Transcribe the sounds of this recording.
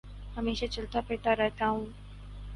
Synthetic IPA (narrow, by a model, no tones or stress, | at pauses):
ɦəmeːʃat͡ʃɐlt̪apeːʈ̪aɾɛɦt̪aːɦũː